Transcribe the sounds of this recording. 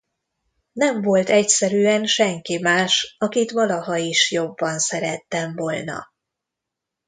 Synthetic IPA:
nɛɱvo̞lt̪ɛcsɛɾyːɛnʃɛŋkimaːʃɒkit̪ʋɒlɒɦɒiʃjo̞bːɒnsɛɾɛt̪ːɛɱvo̞lnɒ̰

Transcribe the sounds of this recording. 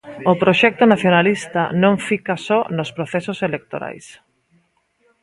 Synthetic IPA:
ʊpɾoʃɛk̚t̪ʊnaθjonalist̪anõŋfikasɔnospɾoθɛsoselek̚t̪oɾa̰js

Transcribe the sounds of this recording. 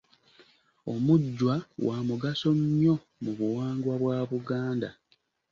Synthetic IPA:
o̰muɟːwawʔaːmuɡaso̞ɲɲːo̞ | muβuwaːŋɡwaβwaːβuɡaːnda

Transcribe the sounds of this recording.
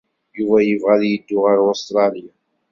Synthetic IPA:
juvæjəvʁæðjəd̪ːʊʁəɾost̪ɾˤɑlija

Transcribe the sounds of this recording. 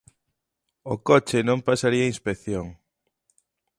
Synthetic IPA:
okot͡ʃɪnõmpasaɾiainspekθjoŋ

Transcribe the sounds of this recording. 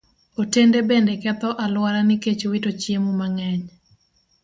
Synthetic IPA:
otendebendekɛt̪ɔʔalwaɾanɪket͡ʃowitot͡ʃjemumaŋɛɲ

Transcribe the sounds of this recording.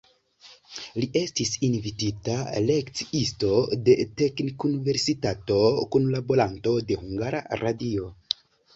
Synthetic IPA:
liʔe̞stisinvititale̞kt͡si̥isto̞de̞te̞knikunive̞ɾsitato̞kunlabo̞ɾanto̞de̞huŋɡaɾa̰ɾʔadio̞

